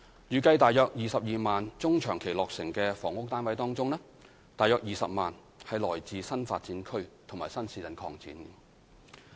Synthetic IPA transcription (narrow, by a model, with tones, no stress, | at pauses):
jyː˨˩kɐ˧jt̪aː˨jœː˧k̚jiː˨sɐ˨p̚jiː˨maː˨nt͡sʊ˥ŋt͡ʃʰœː˨˩ŋkʰe˨˩jlɔː˨k̚sɪ˨˩ŋkɛː˧fɔ̰ː˨˩ŋʊ˥k̚t̪aː˥nwɐ˨˧˥jt̪ɔː˥ŋt͡sʊ˥ŋlɛː˥ | t̪aː˨˩jœː˧k̚jiː˨sɐ̰˨p̚maː˨n | hɐ˨jlɔː˨˩jt͡siː˨sɐ˥nfaː˧t̚t͡siː˨˥nkʰɵ˥ɥt̪ʰʊ˨˩ŋmaː˨˩jsɐ˥nsiː˨˥jɐ˨nkʰɔː˧ŋt͡sḭː˨˥n